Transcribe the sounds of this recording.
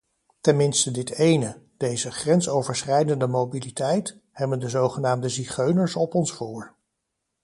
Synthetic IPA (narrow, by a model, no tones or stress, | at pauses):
tɛnmɪnstədɪtejnə | d̥ejzəχrɛnsowvəɹsχɛjdəndəmobilitɛjt | hɛbəndəzowχənaːmdəziχøɥnəɹsɔpɔnsfuːɹ